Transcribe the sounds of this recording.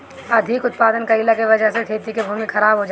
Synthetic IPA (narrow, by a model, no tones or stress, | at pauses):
ɐd̪ʱikʊt̪̚paːd̪ənkɐilakeʋɐd͡ʒəɦsekʰeːt̪ikebʱuːmixʰɐɾaːbɦod͡ʒa